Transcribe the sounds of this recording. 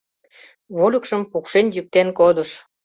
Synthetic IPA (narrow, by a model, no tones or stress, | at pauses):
βolʲəkʃəmpukʃenjyk̚t̪enkod̪əʃ